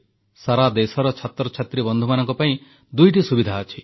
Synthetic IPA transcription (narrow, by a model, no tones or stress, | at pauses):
saɾad̪esɔɾɔt͡ʃʰat̪ɾɔt͡ʃʰat̪ɾibɔnd̪ʱumanɔŋkɔpaĩ | d̪ujʈisubid̪ʱaːt͡ʃʰi